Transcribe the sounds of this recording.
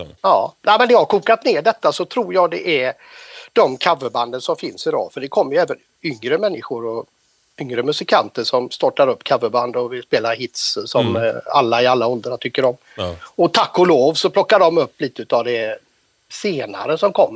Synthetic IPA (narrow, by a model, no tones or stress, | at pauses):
ɑːnæɪmɛnjɑhaɾkuːkat̪neːɖɛt̪ːasɔt̪ʰɾuːɾjɑːɡd̪ɛʔæɾ | ɖ̪̥ɔmkʰavːəband̪ənsɔmfɪnsɪd̪ɔ̰ːfœɖɛkʰɔmːəɾjəɛːvən | ʏŋɾəmɛnːɪɧʊɾɔ | ʏŋɾəmɵsɪkʰant̪əʂɔmst̪ɔʈːaɾɵpːkʰavːəɾband̪ɔvɪlspeːlaɾhɪt̪ssɔma̰lːaɪalːaɔld̪ɾat̪ʰʏkːəɾɔm | ɔt̪ʰakːʊloːvsɔpʰlɔkːaɖɔmɵpːliːt̪əʉːt̪avd̪ɛ | seːna̰ɾəsɔmkʰɔmːə